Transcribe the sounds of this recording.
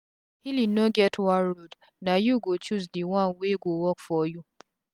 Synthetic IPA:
hilinoɡɛtʰwãnɾod | najuɡot͡ʃuzdiwãnweɡowɔkfɔju

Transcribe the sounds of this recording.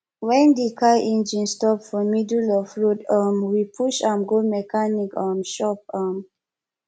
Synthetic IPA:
wɛ̃ndikʰajʔɛ̃nd͡ʒĩnstɔpfɔmidulɔfɹodʌmwipʰuʃãmɡomɛkanikamʃɔp̚am

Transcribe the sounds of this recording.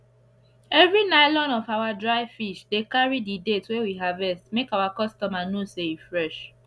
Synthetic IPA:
ɛvɹinaɪlɔ̃nɔfaʊwadɹaɪfiʃdekaɹididetwewiɦavɛstmekawakɔstɔmanoseifɹɛʃ

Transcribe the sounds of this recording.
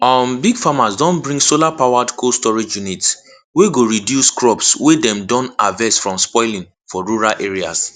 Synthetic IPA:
ɔmbiɡfamasdɔ̃nbɹĩŋsolapawadkʰostɔɹid͡ʒjunit | weɡoɹidjuskɹɔpswedɛ̃mdɔ̃navɛsfɹɔ̃mspɔɪlĩŋ | fɔɹuɹalʔeɹia̰s

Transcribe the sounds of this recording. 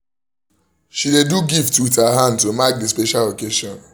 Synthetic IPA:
ʃideduɡiftwithaɦãndtomak̚dispeʃalokeʃɔ̃n

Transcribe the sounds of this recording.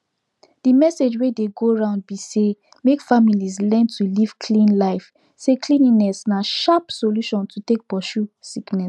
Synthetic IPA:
d̥imɛsed͡ʒwedeɡoɹãʊ̃nd̚bise | mekfamilizlɛ̃ntʰuliv̥kʰlĩnlaɪf | seklĩnĩnɛsnaʃapsoluʃɔ̃ntʰutek̚pɔʃusiknɛs

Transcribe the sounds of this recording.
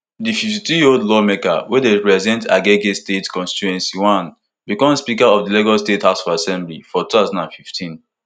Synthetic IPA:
dififtitɹioldlɔmeka̰wɛdepɹɛzdɛ̃nta̰ɡeɡestetkɔ̃nsti̥tuɛ̃nsiwãn | bikɔ̃mspikaɔvdileɡɔlstethaʊsɔvasɛ̃mblifɔtuθaʊzãndãnfiftʰĩn

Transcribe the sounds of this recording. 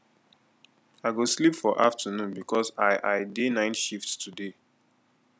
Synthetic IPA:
aɪɡoslipfɔʔaftʰənũnbikʰɔsaɪʔaɪdenãɪ̃nʃiftstʰude

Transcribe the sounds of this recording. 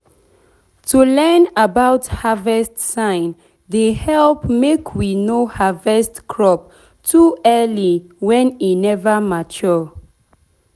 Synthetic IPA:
tʰulɛnabaʊthavɛstsãɪ̃n | dehɛlpmekʰwinohavɛstkʰɹɔp̚ | tʰuɛliwɛ̃ninɛvəmat͡ʃɔ

